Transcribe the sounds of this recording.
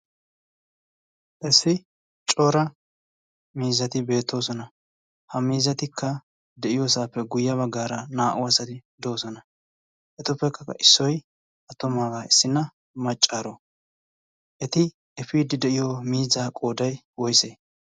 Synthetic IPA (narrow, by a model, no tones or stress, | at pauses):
ʔɛsːɪ | t͡ʃʼoːɾɐ | miːzɐt̪ɪbe̞ːt̪ːo̞ːsɔnɐ | hɐmiːzɐt̪ɪkːɐ | d̪ɛʔɪjoːsaːpːɛɡʊjːɐβɐɡːaːɾɐnaːʔʊwɐsɐt̪ɪd̪oːsɔnɐ | ʔɛt̪ʊpːɛkːɐkːɐ̰ʔɪsːɔj | ʔɐt̪ːʊmaːɡaːɪsːɪnɐ | mɐt͡ʃʼːaːɾo | ʔɛt̪ɪ | ɛfiːd̪ɪd̪ɛʔɪjomiːzaːkʼo̞ːd̪ɐj | wɔjseː